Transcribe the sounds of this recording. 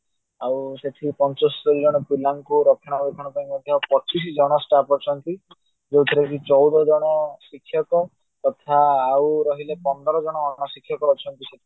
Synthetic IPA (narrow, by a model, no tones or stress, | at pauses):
awseʈʰipɔnt͡ʃɔsɔd͡ʒɔɽ̃ɔpilaŋkuɾɔkʰɔɽ̃ɔbekʰɔɽ̃ɔpaj̃imɔd̪ʱjɔawpɔt͡ʃisid͡ʒɔɽ̃ɔsʈapɔt͡ʃʰɔnt̪i | d͡ʒewt̪ʰiɾak̬it͡ʃɔwd̪ɔd͡ʒɔɽ̃ɔsikʰːjɔkɔ | t̪ɔt̪ʰaːwɾɔɦilepɔnd̪ʱɔɾɔd͡ʒɔɽ̃ɔːɽ̃ɔsikʰːjɔkɔɾɔt͡ʃʰɔnt̪iset̪ʰi